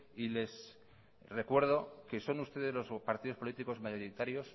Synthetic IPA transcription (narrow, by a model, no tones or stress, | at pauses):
ile̞s | re̞kwe̞ɾð̞o̞ke̞so̞nust̪e̞ðe̞zlo̞spaɾt̪iðo̞spo̞lit̪iko̞zmaʝo̞ɾit̪aɾjo̞s